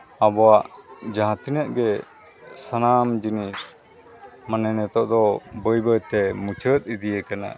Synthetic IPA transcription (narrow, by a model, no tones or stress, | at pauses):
abɔwaʔd͡ʒaɦat̪inəʔ̚ɡɛ | sanamd͡ʒinis | manənɛt̪ɔʔd̪ɔbəjbəjt̪ɛmut͡ʃʰət̪̚id̪ijɛkana̰